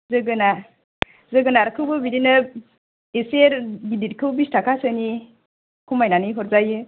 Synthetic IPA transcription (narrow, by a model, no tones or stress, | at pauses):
zɯɡɯna | zɯɡɯnaɾkʰɯwbɯbidinɯ | eseɾbidit̚kʰɯwbistʰakʰasɯni | kʰumajnanɯjɦɔɾzajɯ